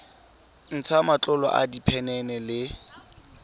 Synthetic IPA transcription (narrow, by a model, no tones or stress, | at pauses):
n̩t͡sʰamat͡ɬʼʊlɔ̰ʔa̰dipʰɛnɛnɛlɪ